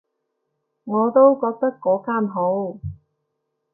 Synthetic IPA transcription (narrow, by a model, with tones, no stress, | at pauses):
ŋɔː˨˧t̪o˥wkɔː˧k̚t̪ɐ˥kːɔː˨˥kaː˥nɦo˨˥w